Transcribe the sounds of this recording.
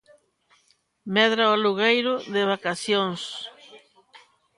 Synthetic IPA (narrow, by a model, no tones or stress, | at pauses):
meðɾaoluɣejɾʊðeβakasjoŋs